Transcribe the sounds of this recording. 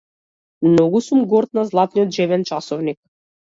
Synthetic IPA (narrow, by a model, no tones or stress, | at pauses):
mnoɡusumɡoɾt̪̚nazlˠat̪nijot̪ʒɛvɛnt͡ʃɑsovnik̚